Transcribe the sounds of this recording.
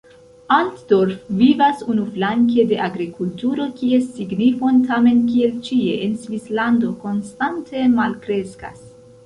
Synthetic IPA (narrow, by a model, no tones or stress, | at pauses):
antdo̞ɾfvivasunuflaŋk̬e̞de̞ʔaɡɾikultuɾo̞kiesiɡnifo̞ntame̞nkielt͡ʃie̞̰ʔensvislando̞ko̞nstantʰe̞malkɾe̞ska̰s